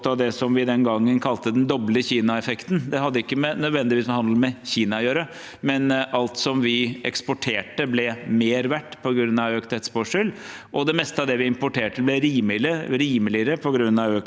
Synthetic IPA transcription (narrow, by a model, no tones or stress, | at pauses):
t̪ɑʋd̪ɛsɔmʋɪd̪ɛnɡɑŋːənkʰɑlt̪əd̪ɛnd̪ɔbləçiːnɑɛfɛkt̪nd̪ɛɦɑd̪ːəɪkːəmɛnœd̪ʋɛnd̪ɪʋiːsəhɑnd̪l̩mɛçiːnɑjøːɾə | mɛnʔɑlt̪sɔmʋɪɛ̰kspʊʈʰeːʈəblɛmeːɾʋæʈːpʰɔɡɾʉnːɑʋøːkt̪ʰɛt̪spoʂʉlʔɔd̪ɛmɛst̪əɑʋd̪ɛʋɪɪmpʊʈʰeːʈəblɛɾiːmɪləɾiːməlɪəɾəpʰɔɡɾʉnːɑʋøː